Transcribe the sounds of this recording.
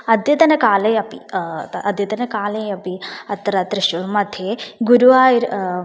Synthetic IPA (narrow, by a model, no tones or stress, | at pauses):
ɐd̪jɐt̪ɐnɐkaːlɐjɐpiʔɐd̪ʱjɐt̪ɐnɐkaːlɐjɐpiɐt̪ːɐɾat̪ɾɐʃuɾmɐd̪ʱʰjeɡuɾuʋaːjiɾ